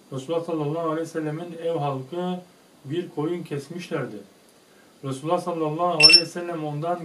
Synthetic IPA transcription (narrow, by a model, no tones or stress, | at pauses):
ɾɛsulˠːɑsɑlˠːɑlˠːɑalɛsɛlːæminɛwɦɑlˠkʰɯ | biɾkʰojuncʲʰɛsmiʃlæɾd̪ɪ | ɾɛsulːˠɑsɑlˠːɑlˠːɑalɛsɛlːɛmond̪ɑn